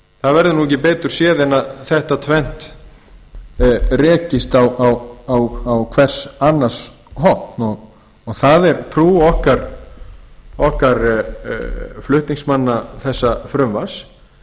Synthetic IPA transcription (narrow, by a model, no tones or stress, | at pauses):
θaðvɛɾðʏnuɛc̬ːɪpɛːt̪ʏɾ̥sjɛːðɛnaðθɛht̪at̪ʰvɛn̥t̪ | rɛːcɪst̪awawawawkʰvɛr̥sanːḁs | ɦɔt̪nɔɣː | ɣθaðɛɾt̪ʰɾuːɔhkaɾ | ɔhkaɾ | flʏht̪niŋsmanːaθɛsːafɾʏmvas